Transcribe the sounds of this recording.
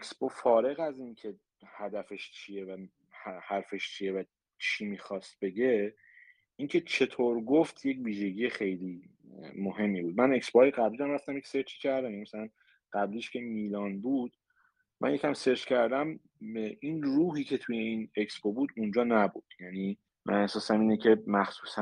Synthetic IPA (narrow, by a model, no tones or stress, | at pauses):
eksb̥ofɒːɾe̞ɣæzincʰe̞ | hæd̪æfe̞ʃt͡ʃʰie̞væ | hhæɾfe̞ʃt͡ʃʰijevæ | t͡ʃʰiːmiːxɒːst̪̚be̞ɟe̞ | iŋcʰe̞t͡ʃʰe̞t̪ʰoːɾɡoft̪jecviːʒe̞ɟijexe̞jliː | moɦe̞mːiːbuːd̪̚mæne̞ksboɒːjeɣæbliːɾæmræft̪æmjecʲseɾt͡ʃi̥cʲʰæɾd̪æmjænimæsælæn | ɢ̥æbliːʃcʰe̞miːlɒːnbuːd̪̥ | mʔæ̰njecʲʰæmse̞ɾt͡ʃcʰæɾd̪æm | ʔinruːɦiːcʰe̞t̪ʰuje̞iːneksbobuːd̪und͡ʒɒːnæbud̪̥jæniː | mʔæ̰næsɒːsæmiːnecʰe̞mæxsuːsæ